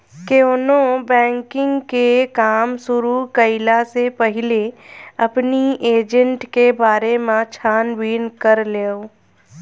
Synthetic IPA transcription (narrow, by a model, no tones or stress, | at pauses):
keonõbɛ̃ːŋkɪ̃ŋɡkekaːmsʊɾukəɪlasepəɦɪleɐpnieːd͡ʒə̃ɳʈkebaːɾemãt͡ʃʰaːnwiːnkəɾleːo